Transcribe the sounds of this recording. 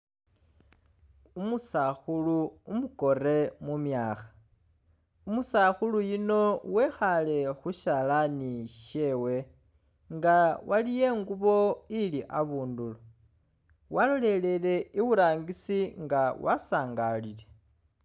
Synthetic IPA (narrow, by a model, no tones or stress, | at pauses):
umusaxuluumuko̞re̞mumjaːxḁ | umusaxulujino̞we̞xale̞xuʃalaniʃe̞we̞ | ŋɡawʔalije̞ːŋɡuβo̞iliʔaβuːndulo | walole̞le̞le̞iβuɾaːŋɡisiŋɡawa̰saːŋɡalile̞